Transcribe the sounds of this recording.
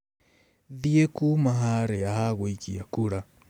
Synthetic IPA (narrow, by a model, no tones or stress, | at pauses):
ðiekumaɦaɾeahaɣwoikiakuɾa